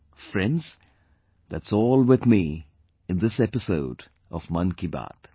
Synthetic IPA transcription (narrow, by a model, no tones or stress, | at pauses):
fɹɛ̃ndz̥ | ðætsɔːlˠwɪðmi | ɨ̃nðɪsɛpɨsoʊd | ʔʌvmʌ̃nkiba̰t̪